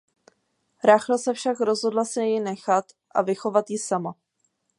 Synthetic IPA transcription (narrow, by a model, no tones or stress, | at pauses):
ɾaːxlasɛfʃakɾo̞zɦo̞dlasɪjɪnɛxat̪ | ʔa̰vɪxo̞vat̪jɪsama